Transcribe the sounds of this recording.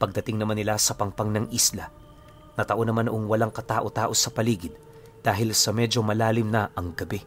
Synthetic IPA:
pɐɡ̚d̪ɐt̪ɪŋnɐmanɪlasɐpɐŋpaŋnɐŋʔislɐ | nɐt̪ɐʔo̞nɐmanɐʔoŋwɐlaŋkɐt̪aːʔo̞t̪aːʔo̞sɐpɐliːɡɪd̪ | d̪̥aːɦɪlsɐmɛd͡ʒo̞mɐlaːlɪmnɐʔɐŋɡɐbɛ

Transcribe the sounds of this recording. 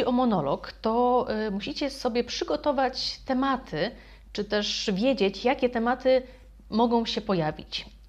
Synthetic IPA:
iɔmɔnɔlɔ̰kt̪ɔmuɕit͡ɕɛsɔbʲjɛpʂɘɡɔt̪ɔvat͡ɕt̪ɛmat̪ʰɘ | t͡ʂɘt̪ɛʂvʲjed͡ʑet͡ɕjakʲɛt̪ɛmat̪ɘ | mɔɡɔ̃w̃ɕɛpɔjavʲḭt͡ɕ

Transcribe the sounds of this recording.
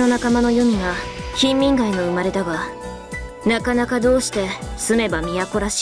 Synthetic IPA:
o̞nakamano̞jo̞mʲiɡaçĩmːʲĩŋɡaino̞ɯ̟maɾe̞t̪aɡa | nakanakad̪o̞ːɕi̥t̪e̞sɨme̞bamʲijako̞ɾaɕi̥

